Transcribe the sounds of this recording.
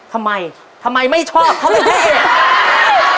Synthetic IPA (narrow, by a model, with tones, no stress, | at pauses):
t̪ʰa˧mːa˧j | t̪ʰa˧mːa˧jma˥˩jt͡ɕʰɔː˥˩p̚t̪ʰa˥˧ma˥˩a˥˩